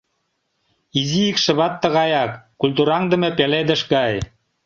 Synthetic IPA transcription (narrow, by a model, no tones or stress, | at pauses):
iziikʃə̆βɑt̪ːɤ̆ɣɑjɑkːulʲt̪̬uɾɑŋd̪ə̆mĕpeled̪ə̆ʃɡɑj